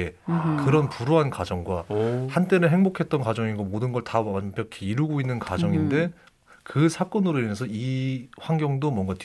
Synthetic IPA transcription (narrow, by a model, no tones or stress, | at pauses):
ekɯɾʌnpuɾoɦankwad͡ʑʌŋɡwahant͈e̞neɦe̞ŋbokʰe̞t̚t͈ʌnkwad͡ʑʌŋiɡomodɯnɡʌɭtaanpjʌkʰeiɾuɡoinːɯnkwad͡ʑʌŋinde̞ | kɯsʰak͈ʌnɯɾoinesʰʌiɸwaŋɡjʌŋdomwʌŋɡat